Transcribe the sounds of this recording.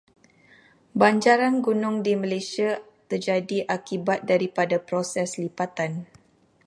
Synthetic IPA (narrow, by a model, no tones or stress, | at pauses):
baɲd͡ʒaɾanɡunʊŋdiməlejsia | t̪ərd͡ʒadiʔakibat̪̚daɾipadapɾosɛslipat̪an